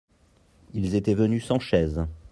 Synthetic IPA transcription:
ilzet̪ɛvənysɑ̃ʃɛz

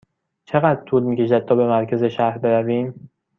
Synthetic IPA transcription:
t͡ʃʰe̞ɣæd̪ɾt̪ʰuːlmiːceʃ̬æd̪̚t̪ʰɒːbe̞mæɾcʰæzeʃæɾbe̞ɾæviːm

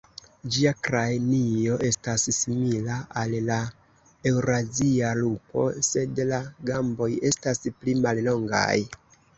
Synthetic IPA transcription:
d͡ʒiakɾajnio̞ʔe̞stassimilaʔalla | e̞wɾazialupʰo̞̰se̞dlaɡambo̞je̞stasplimallo̞ŋɡa̰j

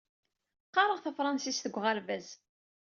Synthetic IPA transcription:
qːɑɾˤəʁθəfɾˤɑnsisθəɡʷːʁalvæz

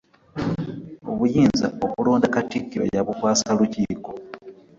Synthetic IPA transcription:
o̞̰βujiːnza̰okuloːndakatikːiɾo̰jaβukwaːsaluciːko̞

